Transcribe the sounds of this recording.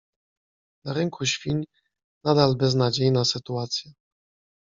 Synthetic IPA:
naɾɛŋkʰuɕfʲiɲ | nad̪albɛznad͡ʑejnasɘt̪uat̪sʲjɛ

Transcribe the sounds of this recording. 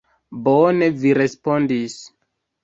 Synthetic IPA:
bone̞viɾe̞spo̞ndis

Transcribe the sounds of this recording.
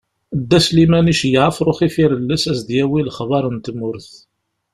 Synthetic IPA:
d̪ːæslimæniʃjəʕəfɾˤoχifiɾəlːəsæsd̪jæwilχvɑɾˤənt̪mʊɾθ

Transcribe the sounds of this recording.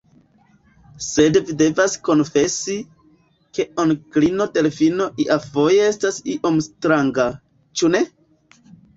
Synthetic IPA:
se̞dvide̞vasko̞nfe̞si | ke̞onklino̞te̞lefino̞ʔiʔavo̞jeestasiʔo̞mstɾaŋɡa | t͡ʃune̞

